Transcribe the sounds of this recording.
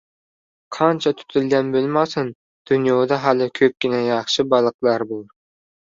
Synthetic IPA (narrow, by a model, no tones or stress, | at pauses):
qʰɑnt͡ʃʰɑt̪ʰy̥t̪ʰylɡʲɛnbølmɑsɨn | d̪̥ynjoːd̪ɑɦɑlɨkʲʰøp̚ʲkʲinɛjɑχʃɨbɑlˠəqlˠɑɾbolˠ